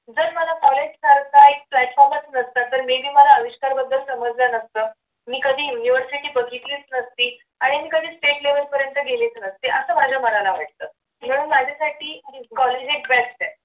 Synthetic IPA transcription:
d͡zəɾməlakɔled͡ʑsaɾkaek̚plæʈfɔɾmət͡snəst̪at̪ːəɾmib̪iːməlaəʋiɕkaɾbəd̪ʱːəlsəməd͡zd͡zanəst̪əː | miːkəd̪ʱiːjuniʋəɾsiʈiːbəɡʱit̪liːt͡snəst̪iː | aɽ̃imiːkəd̪ʱiːsʈeʈleʋəlpəɾjənt̪əɡʱeliːt͡snəst̪iʔəsəːmad͡ʑʱjaməɾalaʋəʈ̚t̪əː | m̤əɽ̃uːnmad͡ʑʱasaʈiːkɔled͡ʑekbɛst̪e

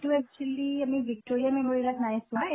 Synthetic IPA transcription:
ʈuɛk̚t͡ʃuəliəmiʋik̚ʈoɾiameməɾilaknajsũa

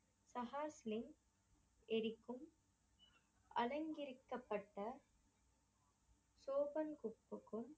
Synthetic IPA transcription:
sɐɦaːslɪn | ɛɾɪkːɯm | ʔɐ̰lɐŋɡɪɾɯkːɐpːɐʈːɐ | soːpɐnkʊpːɯkːɯɭ

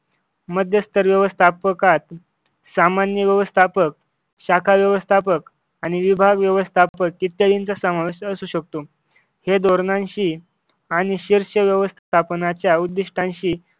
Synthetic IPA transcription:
məd̪ʱjəst̪ʰəɾʋjəʋəst̪ʰapəkat̪ | samanjəʋjəʋəst̪ʰapək̚ | ɕakʰaʋjəʋəst̪ʰapək | aɽ̃iʋibʱaɡʋjəʋəst̪ʰapəkːit̪jad̪int͡sasəmaʋiɕəsuɕək̚t̪o | hed̪oɾnãnɕiː | aɽ̃iɕiɾɕəʋjəʋəst̪ʰt̪ʰapnat͡ɕjaud̪ːiʂʈʰãnɕiː

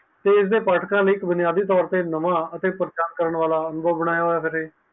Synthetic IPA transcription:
t̪eːɪs̬d̪eːpaːʈʰkãːləɪkbʊnɪjaːd̪iːt̪ɔːɾt̪eːnəmãːət̪eːpəɾt͡ʃaːnkəɾəɳʋaːlaːənʊbʱəʋbəɽ̃aːjaːɦoːjaːpʰɪɾɦeː

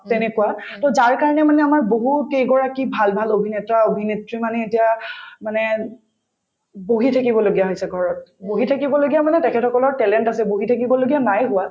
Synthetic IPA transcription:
tɛnɛkuwatɔzaɹkaɹɔnɛmanɛamaɹboɦutejɡɔɹakibʱalbʱalobʱinɛtaobʱinetɹimanɛetijamanɛ | boɦitʰakibɔloɡijaɦojsɛɡʱɔɹɔt̚boɦitʰakibɔloɡiamanɛtɛkʰɛtʰɔkɔlɔɹtɛlɛntasɛboɦitʰakibɔloɡijanajɦʊwa

